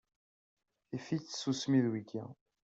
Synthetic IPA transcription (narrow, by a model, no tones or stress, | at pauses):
ifit͡sːsusmiðwiɡæ̰